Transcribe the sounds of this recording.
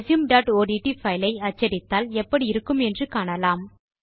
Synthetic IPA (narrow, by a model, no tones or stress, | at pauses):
sjɯmɖaːʈoːɖiːʈifɐɪlɐɪɐt͡ʃːɐɾɪt̪ːaːlɛpːɐɽiɪɾɯkːɯmɛndrɯkaːɳɐlaːm